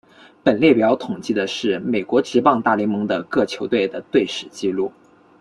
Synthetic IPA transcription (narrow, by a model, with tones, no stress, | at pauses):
pə˨˩nljɛ˥˩pjɑ˥ʊt̪ʰʊ˨˩ŋt͡ɕi˥˩d̪ə˩ʂɻ̩˥˩me˨˩ɪkwɔ˧˥ʈ͡ʂɻ̩˧˥pɑ˥˧ŋt̪a˥˩li˧˥ŋmɤ˧˥ŋd̪ə˧kɤ˥˩t͡ɕʰjo˧˥ʊt̪we˥˩ɪd̪ə˩t̪we˥˩ɪʂɻ̩˨˩t͡ɕi˥˧lu˥˩